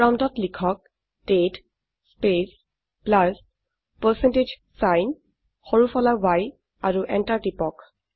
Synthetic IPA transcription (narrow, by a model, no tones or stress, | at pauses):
ɹaw̃ndɔtlikʰɔk̚ | d̥et | spes | plas | pəsɛnted͡ʒ | sajn | xɔɹufʰɔlawaj | aɹuʔɛntaɹtipɔk